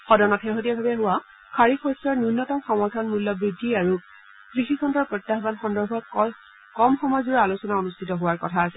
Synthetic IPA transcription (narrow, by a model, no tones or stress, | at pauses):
xɔdɔnɔtxeɦot̬ijabʱabɛɦʊwa | kʰaɹikʰɔstɔɹnunːɔtɔmxɔmɔɹdʰʱanmulːɔbɹidʱːiaɹu | kɹixikʰɔndɔɹpɹɔtːaɦbanxɔndɔɹbʱɔ | kɔmxɔmɔjzuɹɔalusɔnaonustʰitɔɦʊwaɹkɔtʰaːsɛ